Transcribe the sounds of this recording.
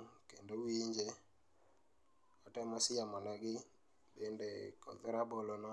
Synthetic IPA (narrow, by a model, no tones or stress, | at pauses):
kendowiɲd͡ʒe | ɔtɛmɔsɪjamɔnaɡɪ | bendekɔ̰ðɪɾabolonɔ